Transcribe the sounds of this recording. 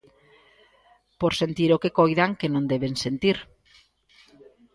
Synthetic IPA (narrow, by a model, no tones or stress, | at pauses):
poɾsent̪iɾokekojðaŋkenõnd̪eβensent̪iɾ